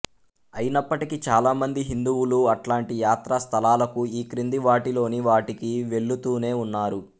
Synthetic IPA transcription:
ɐjinɐpːɐʈikit͡ʃaːlaːmɐnd̪iɦind̪uwuluɐʈlaːɳʈijaːt̪ɾɐst̪ʰɐlaːlɐkuiːkɾind̪iʋaːʈilo̞ːniʋaːʈikiʋe̞ɭːut̪uːne̞ːunːaːɾu

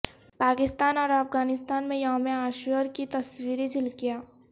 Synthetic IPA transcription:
paːkɪst̪aːnɔːɾɐfɡaːnɪst̪aːnmẽjaɦmẽaːʃwəɾkit̪ɐswiːɾed͡ʒɪlkijaː

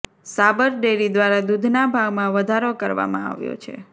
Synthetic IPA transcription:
sabəɾɖeɾid̪ʋaɾad̪ud̪ʱnabʱaɡmãʋəd̪ʱaɾokəɾʋa̰mã̰a̰ʋjo̰t͡ʃʰḛ

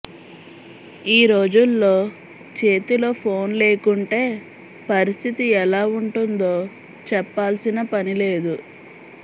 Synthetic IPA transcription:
iːɾo̞ːd͡ʒulːo̞ː | t͡ʃe̞ːt̪ilo̞ːpʰo̞ːnle̞ːkuɳʈe̞ː | pɐɾist̪ʰit̪iɛlaːuɳʈund̪o̞ː | t͡ʃɛpːaːlsinɐpɐnile̞ːd̪u

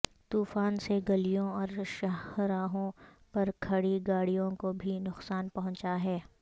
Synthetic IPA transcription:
t̪uːfaːnseɡɐlijõɔːɾʃɐhɾaːɦõ | pɐɾkʰɐɽiɡaːɽijõkobʱinʊqsaːnpɐɦʊ̃t͡ʃaɦɛː

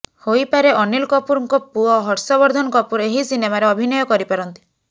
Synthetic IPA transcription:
hojpaɾeʔɔnilkɔpuɾɔŋkɔpuɔɦɔɾsɔβɔɾd̪ʱɔnɔkɔpuɾeɦisinemaɾeɔbʱinɔjɔkɔɾipaɾɔnt̪i̥

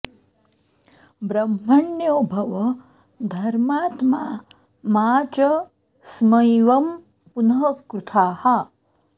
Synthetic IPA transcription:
bɾɐmɦɐɳjoːbʱɐʋɐ | d̪ʱɐɾmaːt̪maː | maːt͡ʃɐ | smɐjʋɐm | punɐɦɐkɾut̪ʰaːhɐ

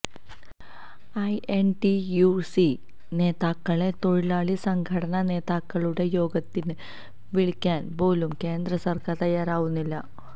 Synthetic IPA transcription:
ɐjʔenʈijusi | ne̞ːðaːkːɐɭe̞t̪o̞ɻilaːɭisɐŋɡʰʱɐɽɐnɐne̞ːðaːkːɐɭuɽe̞jo̞ːɡɐt̪ːin | ʋiɭikʲːaːnbo̞ːlumke̞ːnd̪rɐsɐrkʰat̪ɐjːaːɾaːʋunːilːɐ

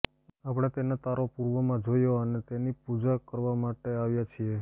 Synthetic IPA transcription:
apɽ̃et̪enat̪aɾopuɾʋəmãd͡ʒojoənet̪enipud͡ʒakəɾʋamaʈeaʋjat͡ʃʰie

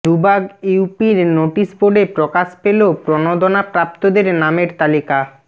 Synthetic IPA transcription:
d̪ubaɡiwpiɾnoʈisboɖepɾokaʃpelopɾonod̪onapɾap̚t̪od̪eɾnameɾt̪alika

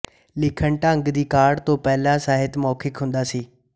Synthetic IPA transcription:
lɪkʰəɳʈəŋɡd̪iːkaːɖt̪õːpɛːlãːsaːɦɪt̪mɔːkʰɪkɦʊ̃nd̪aːsiː

